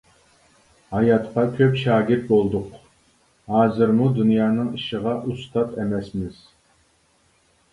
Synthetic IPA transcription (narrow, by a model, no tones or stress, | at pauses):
hɑjɑt̪qɑkʲʰøpʃɑːɡʲɪɾt̪̚bolˠd̪ʊq | hɑːzɨɾmud̪unjɑːnɨŋiʃəʁɑʔust̪ɑt̪ɛmɛsmɪz̥